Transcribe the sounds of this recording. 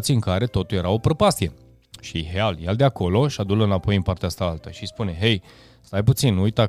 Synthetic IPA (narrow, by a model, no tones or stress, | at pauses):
t̪siɨŋkaɾe̞t̪o̞t̪uljeɾawo̞pɾopast̪ie̞ | ʃiɦealjald̪eakʰo̞lo̞ʃad̪uləɨnapo̞jimpart̪eaast̪alalt̪əʃispune̞ɦe̞j | st̪ajput̪sinujt̪a